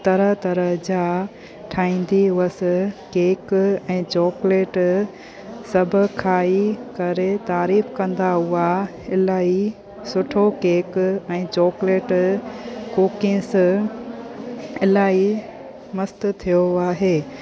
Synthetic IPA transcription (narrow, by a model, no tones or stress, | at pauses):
t̪ɐɾəɦt̪ɐɾəɦd͡ʑaː | ʈʰaːĩːn̆d̪iʊʋɐs̆keːkɛ̃ːt͡ɕɔːkleːʈ | sɐbʱʊ̆kʰaːikɐɾet̪aːɾiːfkɐ̃nd̪aʊa | ɪlaːi | sʊʈʰokeːkɛ̃ːt͡ɕɔːkleːʈ | koːkɪ̃s | ɪlaːi | mɐst̪t̪ʰijoaːɦeː